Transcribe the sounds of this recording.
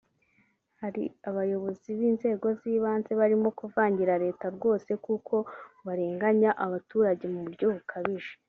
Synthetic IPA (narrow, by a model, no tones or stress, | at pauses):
haɾḭaβajo̞βo̞ziβiːnze̞ːɡo̞ziːβaːnze̞βaɾimo̞kuvaːɲɟiɾaɾe̞ːtaɾɡo̞ːse̞kukʰo̞βaɾe̞ːŋɡaɲaʔaβatuːɾaɟe̞muβuɾɟoβukʰaβiʒe̥